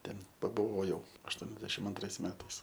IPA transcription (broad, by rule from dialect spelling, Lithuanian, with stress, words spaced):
ˈtʲɛn pɐbʊˈʋoːjɛʊ ɐʃˈtuɔnʲɛzʲdʲɛʃʲɪm ɐnˈtrɐɪs ˈmʲæːtɐɪs